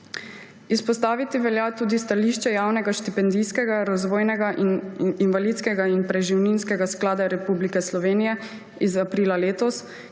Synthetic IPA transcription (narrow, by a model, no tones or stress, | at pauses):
ispɔst̪aːʋit̪iʋɛljat̪uːd̪ist̪aliʃt͡ʃɛjaːwnɛɡaʃt̪ipɛnd̪ijskɛɡaɾazʋɔːjnɛɡaʔininʋalit̪skɛɡainpɾɛʒiwninskɛɡasklaːd̪aɾɛpublikɛslɔʋeːnijɛ | izapɾiːlaleːt̪ɔs